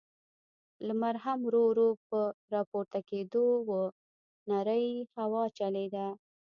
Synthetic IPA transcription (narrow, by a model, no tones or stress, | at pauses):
ləmaɾɦamɾoɾopəɾɑpoɾt̪aked̪owə | naɾəjhawɑt͡ʃaled̪a